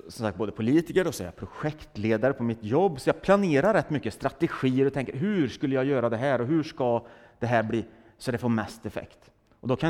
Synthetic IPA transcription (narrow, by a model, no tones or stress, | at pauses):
sɔmsakt̪̚boːd̪əpʰʊliːt̪ɪkəɾɔsɔɛ̰ɾja̰pʰɾʊɧɛkt̪leːd̪aɾəpʰɔmɪt̪jɔbːsɔjɑːɡ̚pʰlaneːɾaɾːɛt̪ːmʏkːəst̪ɾat̪ɛɧiːəɾɔt̪ʰɛŋkəɾɦʉɾʂkɵlːəjaːɡjœːɾad̪ɛɦæːɾɔɦɵʂka | d̪ɛɦæːɾbliː | sɔd̪ɛfoːɾmɛst̪ɛfɛ̰kt̪ | ʔɔd̪ɔkʰan